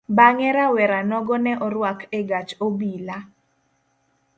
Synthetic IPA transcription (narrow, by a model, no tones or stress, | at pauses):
baŋɛɾawɛɾanɔɡɔnɛʔɔɾwakeɡat͡ʃobila